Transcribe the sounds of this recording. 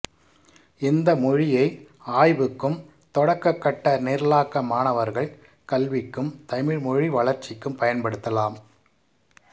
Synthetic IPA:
ɪnd̪ɐmɔɻɪjɐɪ | aːjʋɯkːɯm | t̪ɔɽɐkːɐkːɐʈːɐneːɾlaːkːɐmaːnɐʋɐɾɣɐɭ | kɐlʋɪkːɯmt̪ɐmɪɻmɔɻiʋɐɭɐɾt͡ʃɪkːɯmpɐjɐnpɐɽɯt̪ːɐlaːm

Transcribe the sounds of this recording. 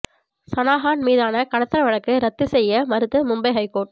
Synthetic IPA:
sɐnaːɦaːnmiːðaːnɐkɐɽɐt̪ːɐɾɐʋɐɻɐkːɯɾɐt̪ːɯsɛjːɐmɐɾɯt̪ːɯmʊmbɐɪɦɐɪkːoːʈ

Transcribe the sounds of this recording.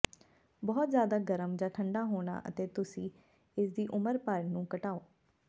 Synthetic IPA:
bɔːt̪zjaːd̪aːɡəɾəmd͡ʒãːʈʰəɳɖaːɦoːɳa̰ːʔə̰t̪eːt̪ʊsĩː | ɪsd̪iːʔʊməɾpəɾnũːkəʈaːoː

